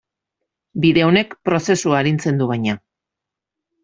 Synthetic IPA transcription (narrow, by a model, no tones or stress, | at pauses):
biðe̞o̞ne̞kpɾo̞se̞suaːɾint͡se̞nd̪uβajɲa